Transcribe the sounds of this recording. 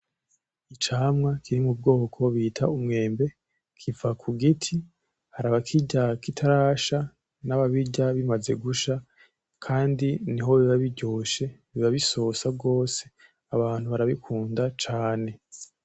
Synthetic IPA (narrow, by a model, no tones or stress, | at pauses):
it͡ʃaːmŋakʰiɾimub̚ɡo̞ːkʰo̞βiːtʰaumŋe̞ːmbe̞ | kʰivakʰuɡitʰi | haɾaβakʰiɟakitʰaɾaːʃa | naβaβiɟaβimaze̞ɡuʃa | kʰaːndiniɦo̞βiβaβiɟoːʃe̞βiβaβisosab̚ɡo̞ːse̞̥ | aβaːn̥huβaɾaβikʰuːndat͡ʃaːne̞